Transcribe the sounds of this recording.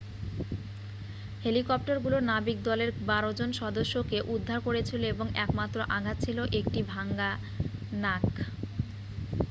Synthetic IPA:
helikɔp̚ʈaɾɡulonabik̚d̪ɔleɾbaɾod͡ʑonʃɔd̪oʃːokeʔud̪ʱːaɾkoɾet͡ɕʰiloeboŋɛkmat̪ːɾoʔaɡʱat̪̚t͡ɕʰiloʔek̚ʈibʱaŋɡa | nak

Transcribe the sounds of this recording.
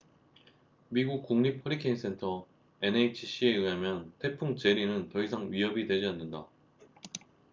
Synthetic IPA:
miɡuk̚k͈uŋɲip̚ʰʌɾikʰeins͈ʰe̞ntʰʌ | e̞neit͡ɕʰiɕ͈ʰie̞ɯɦamjʌntʰe̞pʰuŋt͡ɕe̞ɾinɯntʌis̬ʰaŋɥiɦʌbidwe̞d͡ʑianːɯnda

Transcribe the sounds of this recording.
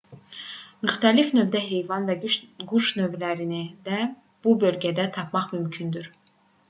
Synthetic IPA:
myxt̪ʰælifnø̞bd̪æɦe̞jvɑnvæɡyɡuʃnø̞vlæɾinid̪æ | b̥ubø̞lɟæd̪æt̪ʰɑpʰmɑχmymcʰynd̪yɾ

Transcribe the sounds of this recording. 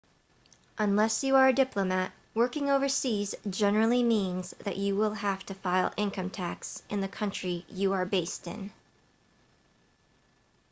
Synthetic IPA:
ʔə̃nlɛsjɨə˞ɨdɪpləmæt̚ | wɜ˞kɪ̃ŋoʊvə˞sizd͡ʒɛnə˞l̩ˠimĩnzðɨ̰t͡ʃɨwɪlˠɦæftɨfaɪlˠɪ̃nkʰʌ̃mtʰæksʔɨ̃nðɨkʰʌ̃nt͡ʃɹ̥ijɨə˞beɪstɪ̰̃n

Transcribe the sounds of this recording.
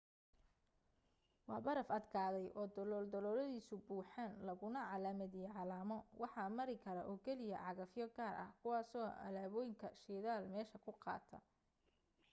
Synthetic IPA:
wɑːbɐɾɐfɐd̪kʰaːðɛjʔɔːd̪ɔlɔld̪ɔlɔlɐðiːsʊbuːħaːnlɐɣʊnɐʕɑlaːmɐðɪjɛʕɑlaːmɔwɑħɑːmɐɾɪkʰɐɾɐʔɔːkʰɛlɪjɐ̰ʕɑɣɐfjɔɡaːrʔɐ̰hkʰʊwɑːsɔːɐ̰laːβɔːjɪŋkʰɐʃiːðaːlmɛːʃɐkʰʊqɑ̰ːt̪ʰɐ̰

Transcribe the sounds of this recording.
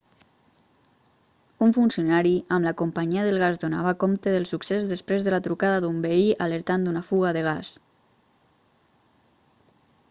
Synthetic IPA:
uɱfunsiunaɾiəmləkompəɲiəðəlˠɣ̞azd̪ona̰βakomt̪əðəlˠsuksezðəspɾezðəlat̪ɾukaðaðumbəiʔaləɾt̪and̪unafuɣaðəɣ̞as

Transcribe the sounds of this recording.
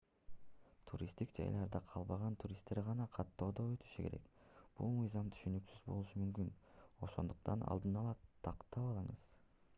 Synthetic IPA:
t̪ʰuɾʲist̪ikd͡ʒɑ̰jlˠɑɾd̪ɑqʰɑlˠbɑʁɑnt̪ʰuɾʲist̪ːe̞ɾʁɑnɑqʰɑt̪ːo̞ːd̪oø̞t̪y̥ʃykʲe̞ɾe̞̰k | b̥ulˠmɯjzɑmt̪ʰy̥ʃynyksyzbo̞̰lˠuʃɯmymkyno̞̰ʃo̞̰nd̪uqt̪ɑnɑ̰lˠd̪ɯnɑlˠɑt̪ʰɑqt̪ɑpɑlˠɯɴɯz̥

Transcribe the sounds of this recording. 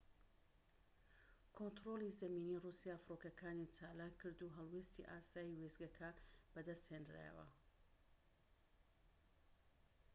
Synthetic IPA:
kʰont̪ɾoːlˠizɐmiːniːrusijafɾokɐkʰaːnit͡ʃaːlaːkʰːɨɾd̪uɦɐlˠweːst̪ḭʔaːsaːjiwezɡɐkʰɐb̥ɐd̪ɐst̪heːnd̪ɾa̰ə̰wɐ̰

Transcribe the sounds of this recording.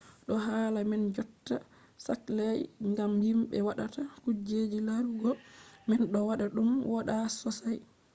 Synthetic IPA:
ɗɔɦaːlamɛnd͡ʒɔtːa | saklɛjŋɡamhimɓɛ̰waɗatakud͡ʒed͡ʒilaɾuɡɔmɛnɗɔwaɗaɗumwaɗasɔsaj

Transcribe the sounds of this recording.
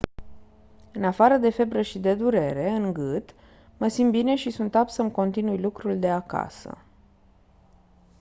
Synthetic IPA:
ɨnafaɾəd̪e̞fe̞bɾəʃid̪e̞d̪uɾe̞ɾe̞ɨŋɡɨt̪ | məsimbine̞ʃisunt̪apsəmko̞nt̪inujlukɾuld̪e̞aka̰sə̰

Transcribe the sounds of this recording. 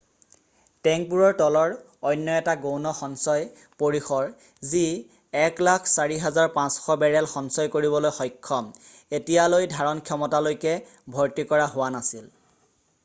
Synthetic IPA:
tɛŋk̚puɹɔɹtɔlɔɹ | ɔjnːɔɛtaɡownɔxɔnsɔj | poɹixɔɹ | zi | ɛklakʰsaɹiɦɛzaɹpãsxɔbɛɹɛlxɔnsɔjkoɹibɔlojxɔjkʰːɔm | etijalojdʱaɹɔnkʰjɔmɔtalojkɛ | bʱɔɹtikɔɹaɦʊwanasil

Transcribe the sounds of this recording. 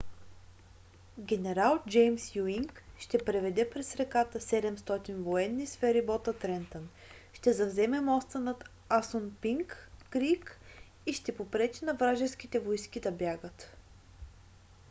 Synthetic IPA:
ɡʲɛnɛɾalˠd͡ʒɛjmsjuiŋkʃt̪ɛpɾɛvɛd̪ɛpɾɛsɾɛkat̪əsɛd̪ɛmst̪ɔt̪invoɛnːisfɛɾibɔt̪ət̪ɾɛnt̪ən | ʃt̪ɛzɐvzɛmɛmɔst̪ənɐt̪ | asonpiŋkːɾik | iʃt̪ɛpopɾɛt͡ʃɛnɐvɾaʒɛnskʲit̪ɛvojskʲid̪ɐbjaɡət̪

